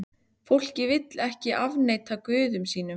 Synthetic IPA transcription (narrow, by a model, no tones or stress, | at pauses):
fowl̥cɪvɪt̪lɛhcɪʔavneːjt̪ʰakvʏːðʏmsiːnʏm